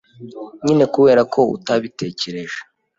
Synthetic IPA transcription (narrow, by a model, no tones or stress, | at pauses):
ɲine̞kuwe̞ːɾakʰo̞ṵtaβite̞ːce̞ɾe̞ʒe